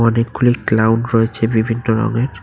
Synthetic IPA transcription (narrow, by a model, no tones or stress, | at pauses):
ɔnekɡuliklawɖɾoet͡ɕʰebibʱinːoɾɔ̰ɡeɾ